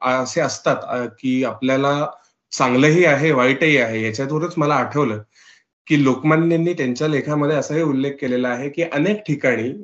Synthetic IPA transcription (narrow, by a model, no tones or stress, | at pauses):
əseəst̪at̪kiːapljala | sãŋɡləɦiːaɦeʋaiʈəɦiːaɦejat͡ɕjat̪uɾət͡sməlaːʈʰəʋləː | kiːlokmanːinːiːt̪jaɲt͡ɕjalekʰaməd̪ʱjeəsəɦeːulːekːelelaːɦekiːʔənekʈʰikaɽ̃iː